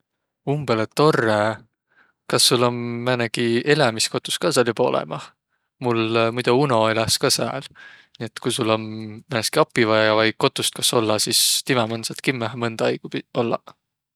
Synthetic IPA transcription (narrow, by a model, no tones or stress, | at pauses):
umb̥elet̪o̞rːe | kɑsːulːo̞mmænekie̞lemisko̞t̪ːˑu̥skɑːsɑlʲibo̞̰lɛ̰mɑ | mulmujd̪̥uuno̞eleskɑsæ̰ːl | nie̞t̪kujsulːo̞nmæneskiɑpːˑivɑjjɑvɑjko̞t̪ːˑust̪̚kɑso̞lːɑsist̪imɛmɤnsɑt̪kimːæɦmɤnd̪̥ɑɑjɡ̥upio̞lːɑ̰